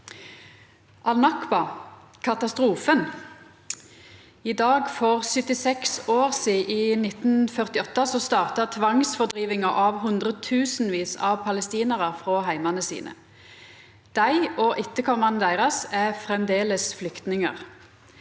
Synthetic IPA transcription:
ʔɑlnɑkbɑ | kʰɑt̪ɑst̪ʁuːfən | id̪ɑːɡfɔʁsʏt̪ɪsɛksoːʁsiːʔiːnɪt̪n̩fœʁt̪ɪɔt̪ːəsɔst̪ɑːʁt̪ɑt̪ʰʋɑŋsfɔʁd̪ʁiːʋɪŋəʔɑʋɦʉnd̪ʁət̪ʰʉːsn̩ʋiːsɑ̰ʋpʰɑləst̪iːnəʁəfʁoːɦæɪmɑnəsḭːnə̰ | d̪̥æɪɔːʔɪt̪ːəkʰɔmɑnəd̪æɪʁɑsæfʁɛmd̪eːləsflʏkt̪nɪŋə̰ʁ

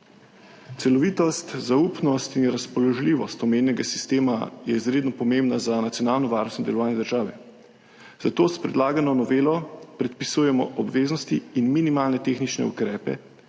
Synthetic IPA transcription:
t̪sɛlɔʋit̪ɔst̪zaupnɔst̪inɾaspɔlɔʒliʋɔst̪ɔmennɛɡasi̥st̪eːmajɛizɾeːd̪nɔpɔmembnazanat̪sjɔnaːlnɔʋaːɾnɔst̪nɔd̪ɛlɔʋaːnjɛd̪əɾʒaːʋɛ̰ | z̥at̪oːspɾɛd̪laːɡanɔnɔʋeːlɔpɾɛt̪̚pisujɛmɔ̰ʔɔbʋeːznɔst̪iːnminimaːlnɛt̪exnit͡ʃnɛ̰ṵkɾɛːpɛ̰

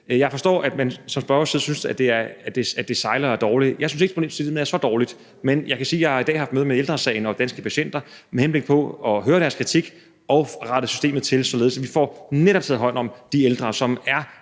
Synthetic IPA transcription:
jɑ̈ɪfɒ̽sd̥ɔ̰ːæd̥mænsɒ̽msb̥ɶɐɒsiðˠsynsæd̥e̝æɐd̥eæd̥e̝sɑ̈ɪlɐæɐd̥ɒːlijɑ̈ɪsynse̝ɡ̥pʰo̥ḛːmseiið̩̰ˠn̩ˠæɐsɒ̽d̥ɒːlid̥ | menjɑ̈ɪkʰæsiːjɑ̈ɪhɑ̈id̥ɛ̰ːhɑfd̥møːð̩ˠmeeld̥ʁɐsɛ̰ɪnɒ̽d̥ænsɡ̥əpʰæɕen̰d̥ɐmehenb̥le̝ɡ̥̚pʰɒ̽ɒ̽ɦøːɐɾ̥æɐskʰʁit͡sʰiɡ̥ | ɒ̽ʁɑ̈ɾ̥əsy̥sd̥e̝̰ːmð̩ˠt͡sʰe̝lˠsɒ̽le̝ð̩ˠsæʋifɒ̰neɾɒb̥̚t͡sʰeð̩̰ˠɦɒ̽ɪ̰n̰ɒ̽md̥ield̥ʁɐsɒ̽mæɐ

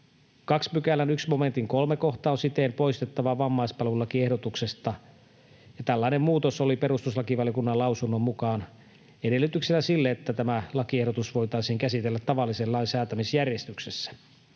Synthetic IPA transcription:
kɑksmykælːænyksmo̞me̞nt̪iŋkolmeko̞xt̪ɑːonsit̪empo̞ist̪et̪ːɑʋɑʋɑmːɑispɑlulɑkiehdot̪uksest̪ɑ | jɑt̪ælːɑinemmuːt̪osolipe̞ɾust̪uslɑkiʋɑljokunːɑlɑusunːommukɑːn | ede̞lːˑyt̪yksenæsilːeet̪ːæt̪æmælɑkiehɾot̪usʋo̞jt̪ɑisiːŋkæsit̪elːæt̪ːɑʋɑlːisellːɑinsæːt̪æmisjærjest̪yksesːæ̥

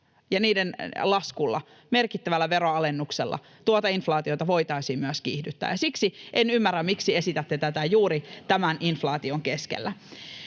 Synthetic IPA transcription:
jɑniːdenlɑskulːɑ̰ | merkit̪ːæʋælːæʋeroɑlenːukselːɑ̰ | t̪uot̪ɑinflɑːt̪iot̪ɑʋoit̪ɑisiːmmyæskihdyt̪ːæ̰ːjɑsiksiʔenymːærːæmmiksiesit̪æt̪ːet̪æt̪æjuːɾit̪æmænʔinflɑːt̪ioŋkeskḛlːæ

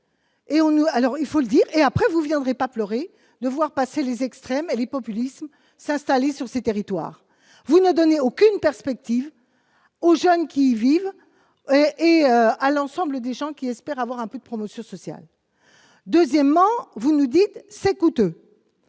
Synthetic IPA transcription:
eɔ̃nualɔʁilfoləd̪iːʁeapχɛvuvjɛ̃d̪ʁepaplœʁe | d̪əvwaʁpaselezɛkst̪χɛmelepɔpylism | sɛ̃st̪alesyʁset̪eʁit̪wa̰ːʁ | vunəd̪ɔneokʲynpɛʁspɛk̚t̪iv | oʒənkʲiviv | ʔeøalɑ̃sɑ̃bləd̪eʒɑ̃kʲiɛspɛʁavwaʁɛ̃pød̪əpχɔmɔsjɔ̃sɔsja̰l | d̪øzjɛmːɑ̃vunud̪it̪sɛkut̪ø

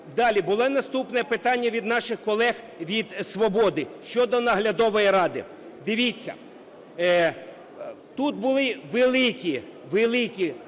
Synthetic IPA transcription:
d̪ɑlʲibʊlˠɔnɐst̪upnɛpɪt̪ɑnʲːɐʋʲid̪nɑʃɪxkɔlˠɛx | ʋʲid̪sʋɔbɔd̪ɪʃt͡ʃɔd̪ɔnɐɦlʲɐd̪ɔʋɔjiɾɑd̪ɪ̰ | d̪ɪʋʲit͡sʲːɐ̰ | t̪ut̪̚bʊlˠɪʋelˠɪkʲi | ʋelˠɪkʲi

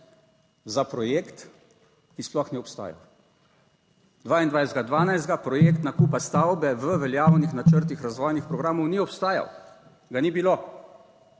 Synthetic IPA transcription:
zapɾɔjeːkt̪ | kisplɔxnɛɔpst̪a̰ːja̰ | d̪ʋaːind̪ʋajsɛd̪ɡad̪ʋaːnajzd̪ɡapɾɔjeːkt̪nakuːpast̪awbɛʋəʋɛljaːwnixnat͡ʃəɾt̪̬ixɾazʋɔːjnixpɾɔɡɾaːmɔwniɔpst̪aːja̰w | ɡanibilo

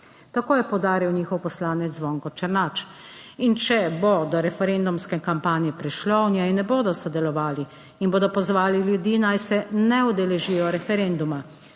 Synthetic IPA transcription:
t̪akoːjɛpɔwd̪aːɾiwniːxɔwpɔslaːnɛt̪zʋɔːŋkɔt͡ʃəɾnat͡ʃint͡ʃɛbod̪ɔɾɛfɛɾend̪umskɛkampaːnjɛpɾiʃlɔwnjɛinːɛboːd̪ɔsɔd̪ɛlɔʋaːli | inboːd̪ɔpɔzʋaːliljud̪iːnajsɛnɛɔd̪ɛlɛʒiːjɔɾɛfɛɾend̪uma

